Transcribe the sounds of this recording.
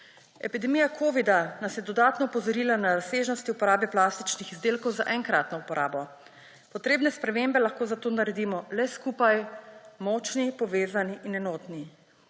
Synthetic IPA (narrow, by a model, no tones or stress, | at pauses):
ɛpid̪ɛmijakʰoːʋid̪anasjɛd̪ɔd̪aːt̪nɔːpɔzɔɾiːlanaɾaseʒnɔst̪iupɔɾaːbɛplast̪i̥t͡ʃnixizd̪eːlkɔwzaʔɛŋkɾaːt̪nɔupɔɾʔa̰ːbɔ | pɔt̪ɾeːbnɛspɾɛmembɛlaxkoːzat̪oːnaɾɛd̪iːmɔlɛskuːpajmɔt͡ʃnipɔʋeːzaniʔinɛnɔːt̪ni